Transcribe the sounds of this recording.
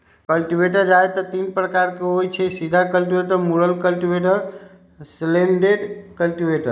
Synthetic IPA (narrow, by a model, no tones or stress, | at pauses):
kəlʈibʱeʈəɾd͡ʒaet̪ɔt̪inpɾəkaɾkeojt͡ʃʰɛsid̪ʱakəlʈibeʈəɾmuɾəlkəlʈibeʈəɾ | sleɳɖeɖkəlʈibeʈəɾ